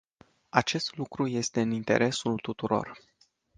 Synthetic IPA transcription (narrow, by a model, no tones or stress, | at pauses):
at͡ʃe̞st̪lukɾuje̞st̪e̞ɨnint̪e̞̰ɾʔe̞sult̪ut̪uɾo̞̰r